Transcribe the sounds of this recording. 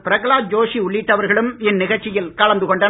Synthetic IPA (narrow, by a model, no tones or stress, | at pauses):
pɪɾɐkɐɭaːt̪̚d͡ʒoːʂiʊɭːɪʈːɐʋɐɾɣɐɭɯmɪnːɪɣɐɻt͡ʃːɪjɪlkɐɭɐnd̪ɯkɔɳɖɐ